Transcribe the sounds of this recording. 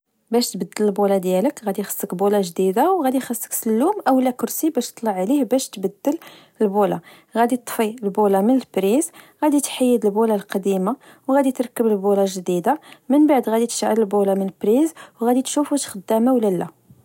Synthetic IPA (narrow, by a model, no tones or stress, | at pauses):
bæʃt̪bəd̪ːələlbulæd̪jæləkɣæd̪ixə̥sˤːəkbulæʒd̪id̪awɣæd̪ixəsˤːə̥ksəlːumʔəwlækʊɾsibæʃt̪t̪ˤlɑʕːlihbæʃt̪bəd̪ːəl | əlbula̰ | ɣæd̪itt̪ˤfiəlbulamənəlbɾizɣæd̪it̪ħajːəd̪əlbulælqɑd̪ima | wɣæd̪it̪ɾˤkːəbəlbulæʒd̪id̪amənbaʕd̪ɣæd̪it̪ə̥ʃʕə̰ɾəlbulamənəlbɾizwɣæd̪it̪ʃufbæʃxəd̪ːæmawlælːæ